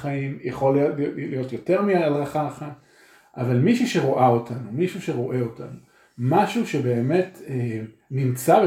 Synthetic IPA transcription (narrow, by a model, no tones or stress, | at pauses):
χaimjeχo̞llijo̞tjo̞te̞ʁmiaalʁaχaχat | ʔavalmiʃuʃe̞ʁo̞ʔao̞tʰanumiʃuʃe̞ʁo̞ʔe̞o̞ta̰nu | maʃuʃe̞be̞ːme̞tenimt͡sabe